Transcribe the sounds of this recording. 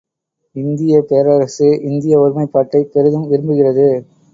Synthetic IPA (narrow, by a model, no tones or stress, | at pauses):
ɪnd̪ɪjɐpeːɾɐɾɐsɯʔɪnd̪ɪjɐʊɾmɐɪpːaːʈːɐɪpɛɾɯðɯmɪɾɯmbɯɣɪrɐðɯ